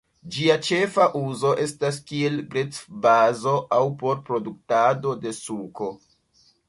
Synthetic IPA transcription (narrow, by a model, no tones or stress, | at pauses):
d͡ʒiat͡ʃe̞faʔuzo̞ʔe̞stas̬kie̞lɡɾet͡sbazo̞ʔawpo̞ɾpɾo̞duk̚tado̞de̞suko̞